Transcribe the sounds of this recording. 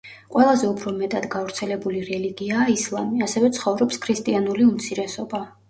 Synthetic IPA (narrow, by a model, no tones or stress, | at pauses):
qʼwɛlˠazɛupʰɾɔmɛt̪ʼad̪ɡavɾt̪sʰɛlɛbuliɾɛliɡiaːislˠamiasɛvɛt̪sʰχɔvɾɔpskʰɾist̪ʼianuliumt̪sʰiɾɛsɔba